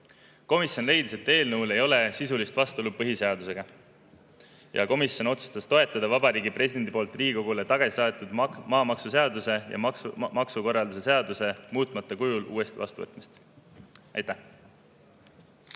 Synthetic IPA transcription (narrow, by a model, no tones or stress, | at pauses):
ko̞misjo̞nle̞jd̪̥ise̞t̪ːe̞ːlnɤwle̞jo̞le̞sisulist̪vɑst̪olupɤɦise̞ɑd̪use̞ɡ̥ɑ | jɑ̰ko̞misjo̞no̞t̪su̥st̪ɑst̪o̞e̞t̪ːˑɑd̪ɑvɑbɑɾiːɡipre̞sid̪̥e̞nd̪ipo̞ːlt̪ːˑriːɡiko̞ɡ̥ule̞t̪ɑɡ̥ɑsisɑet̪ːˑud̪̥mɑːmɑksuse̞ɑd̪use̞jɑ̰mɑksuko̞rːɑld̪use̞se̞ɑd̪use̞muːt̪ˑmɑt̪ːˑɑkujulṵːe̞st̪ivɑ̰st̪uvɤ̰t̪ˑmist̪ | ɑ̰jt̪ːæh